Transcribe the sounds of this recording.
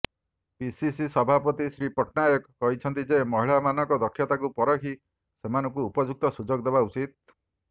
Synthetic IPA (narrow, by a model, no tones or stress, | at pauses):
pisisisɔbʱapɔt̪isɾipɔʈʰnajɔkkɔɦit͡ʃʰɔnt̪id͡ʒemɔɦiɭamanɔkɔd̪ɔkʰjɔt̪akupɔɾɔkʰi | semanɔŋkuːpɔd͡ʒuk̚t̪ɔsud͡ʒɔɡd̪ebaut͡ʃit̪̚